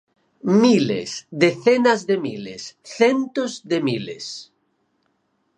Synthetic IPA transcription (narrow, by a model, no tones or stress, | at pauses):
milḛsd̪eθenazðemilḛsθent̪ozðemilḛs